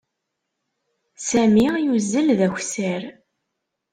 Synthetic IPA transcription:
sæmijuzːəlðæçʷsæɾ

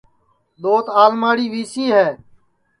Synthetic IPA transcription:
ɗ̪oːt̪aːlmaːɽiːʋiːsiːɦɛː

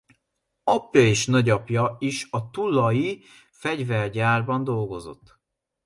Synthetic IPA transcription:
ɒpjɒeːʃnɒɟɒpjɒiʃɒt̪ulːɒji | fɛɟvɛlɟaːrbɒnd̪o̞lɡo̞zo̞̰t̪ː

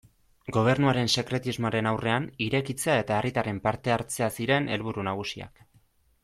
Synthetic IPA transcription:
ɡo̞β̞e̞rnuaɾe̞nse̞kɾe̞t̪izmo̞aɾe̞nawre̞aniɾe̞kit͡seae̞t̪ae̞rʔit̪are̞mpaɾt̪e̞aɾt͡se̞asiɾe̞ne̞lβuɾunaɣ̞usia̰k

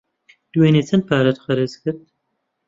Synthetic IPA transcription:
d̪̥uweːneːt͡sʰɐn̚pʰaːɾɐt̪xɐɾɨzkɨɾd̪̚

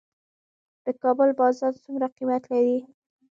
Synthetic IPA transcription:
d̪̥əkɑbəlbɑzɑnt͡suŋɡɾaqimat̪laɾi

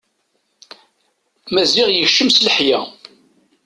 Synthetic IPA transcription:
mæzɪʁjəçʃəmsləħjæ

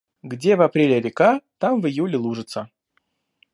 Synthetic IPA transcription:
ɡdʲevɐpɾʲelʲɪɾʲɪkat̪amvɨjulʲɪlˠuʐɨt̪sə

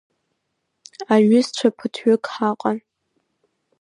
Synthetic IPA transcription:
aɥʊst͡ʃʷʰapʰɨtʰɥʊkʰʼħaqʼan

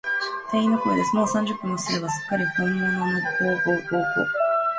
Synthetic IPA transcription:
t̪aĩnːokoid̪e̞sɨmoːsãɲ̟d͡ʑɨpːɯ̃mːosɨɾe̞βasɨ̥kːaɾʲihõmːonomokoːɡoːkoːko̰ː

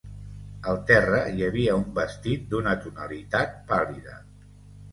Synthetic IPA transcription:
əlˠt̪ɛrəjəβiəumbəst̪it̪̚d̪unət̪unəlit̪at̪̚paliðə̰

